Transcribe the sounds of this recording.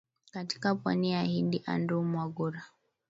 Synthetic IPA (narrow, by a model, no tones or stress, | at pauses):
kati̥kapwa̰nijahindiʔa̰ndumwaɡuɾa